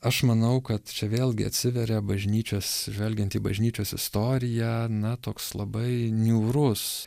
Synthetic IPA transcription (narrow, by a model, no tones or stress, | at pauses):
ɐʃmɐnɐʊkɐt̪t͡ʃʲɛʋʲeːlˠʲɡʲɪɐ̰t̪ʲsʲɪʋʲɛɾʲɛbɐʒʲnʲiːt͡ʃʲoːsʒʲʋʲɛlʲɡʲɛnt̪iːbɐʒʲnʲiːt͡ʃʲoːsɪst̪oːɾʲɪjæːnɐt̪oːkslˠɐbɐɪnʲuːɾʊs